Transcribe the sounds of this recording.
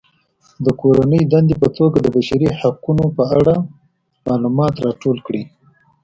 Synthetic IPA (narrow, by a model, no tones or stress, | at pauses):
d̪əkoɾanəjd̪and̪epət̪oɡad̪əbaʃaɾihaqunopəaɽa | mɑlumɑt̪ɾɑʈolkɽi